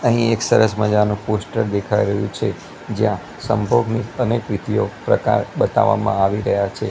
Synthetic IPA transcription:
əɦĩeksəɾəsməd͡ʒanũposʈəɾd̪ekʰaiɾəɦjũt͡ʃʰe | d͡ʒjã | sə̰mbʱoɡniənekʋid̪ʱiopɾə̰ka̰ɾɓət̪a̰ʋa̰mã̰aʋiɾəɦjat͡ʃʰe

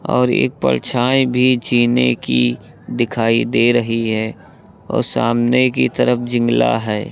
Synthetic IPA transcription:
ɔːɾeːk̚pə̰ɾt͡ʃʰaːebʱid͡ʒiːneki | d̪ɪkʰaːid̪eɾəɦiɦɛː | ɔ̰ːɾsaːmnekit̪əɾəpʰd͡ʒɪ̃ŋɡla̰ɦɛː

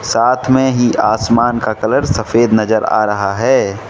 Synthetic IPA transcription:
saːt̪ʰmẽɦiʔaːsmaːnkakɐləɾsəfʰeːd̪nɐzəɾa̰ːɾɐɦaɦɛː

